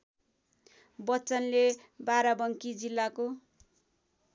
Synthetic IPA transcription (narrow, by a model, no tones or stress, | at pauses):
bʌt͡sʌnle | baɾabʌŋkid͡zilːako